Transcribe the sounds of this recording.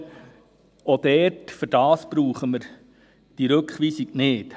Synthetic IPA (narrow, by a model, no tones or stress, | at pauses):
od̥̪ɛrtfʏɾd̥ɑːsb̥ɾuːχəməɾ | d̥iɾɵkχʋiːsiɡ̥nɪːt